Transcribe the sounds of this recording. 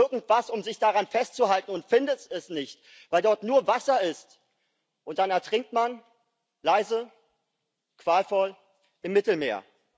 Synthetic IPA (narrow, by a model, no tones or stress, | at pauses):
ɪɐɡŋ̩tv̥asʊmzɪçd̥aʁanfɛstt͡suhaltn̩ʊntfɪndətɛsnɪçt | v̥aɪldɔɐtnuːɐvasɐɪst | ʔʊnt̚d̥anɛɐtʁ̥ɪŋk̚tman | laɪzə | kv̥aːlfɔl | ʔɪmːɪtl̩mḛːɐ